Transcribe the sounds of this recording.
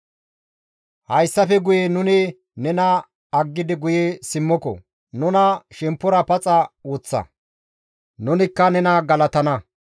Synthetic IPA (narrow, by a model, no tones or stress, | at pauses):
hɐjsːɐfɛɡʊjenʊnɪ | nɛnɐ | ɐɡːɪd̪ɪɡʊjesɪmːɔkɔ̰ | nʊnɐʃɛmpːʊɾɐpɐt͡sʼɐwot͡sːɐ̰ | nʊnɪkːɐnɛnɐɡɐlɐt̪ɐnɐ